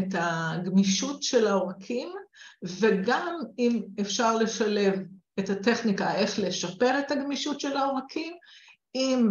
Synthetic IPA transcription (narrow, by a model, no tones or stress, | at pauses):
etaɡmiʃutʃe̞laoʁakʰimveɡamimefʃaʁle̞ʃale̞v | ethate̞χnikae̞χle̞ʃape̞ʁethaɡmiʃutʃelaoʁakʰim | im